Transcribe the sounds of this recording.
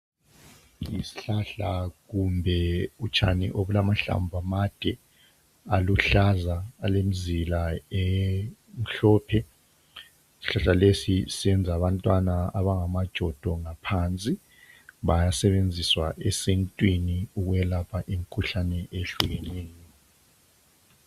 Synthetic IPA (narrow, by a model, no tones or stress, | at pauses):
isi̥ɬaɬaɣumbʱɛut͡ʃʰʼa̰nḭʔoβulamaɬa̰mbʱamad̥ʱɛ | aluɬazaːlem̩zilae | m̩ɬɔːpʰɛ | si̥ɬaɬalesisɛnd͡zʱaβantʼwanaaβaŋamad̥ʒ̥ʱɔd̥ʱɔŋapʰant͡sʼi | βajasɛβend͡zʱiswa̰ʔesintʼwiniuɣuɛlapʰaʔim̩kʰuɬanɛʔeɬuɣɛneːni